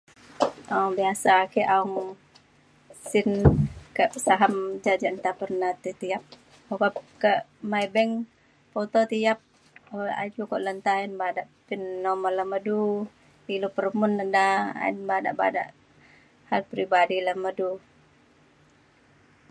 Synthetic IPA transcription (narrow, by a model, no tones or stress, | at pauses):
aɔŋbiasakiʔaɔŋ | sɪnkəʔsaɦamd͡ʒad͡ʒant̪apərnat̪it̪iap̚ | okapkəmajbɛŋ | pot̪ot̪ijap̚ | oa̰d͡ʒukɔʔlənt̪ainbadaʔpinːɔməlːəmədu | ilupəɾmʊnːədaa̰ḭnbada̰ʔba̰da̰ʔ | halpɾibadiləmədu